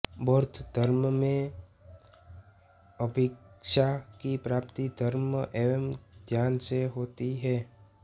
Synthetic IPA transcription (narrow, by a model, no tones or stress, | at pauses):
bɔːɾt̪ʰd̪ʱəɾmmẽ | əbʱɪkʃakipɾaːpt̪id̪ʱəɾmʔemd͡ʒ̪jaːnseɦoːt̪iɦɛː